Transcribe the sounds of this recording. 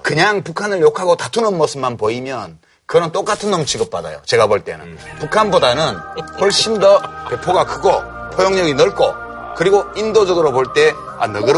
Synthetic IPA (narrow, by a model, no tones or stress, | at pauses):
kɯɲaŋpukʰanɯɭjokʰaɡotatʰunʌnmʌs͈ʰɯmmanpoimjʌn | kɯnʌnt͈ok͈atʰɯnːʌmt͡ɕʰiɡʌp͈̚ada̰jo̰t͡ɕe̞ɡapoɭt͈e̞̰nɯ̰npukʰanbodanɯnwʌɭɕ͈indʌpe̞pʰoɡakɯɡopʰʌjʌŋɲʌɡinʌɭk͈o̰ | kɯɾiɡoindod͡ʑʌɡɯɾopoɭt͈e̞ | a̰nʌɡɯɾ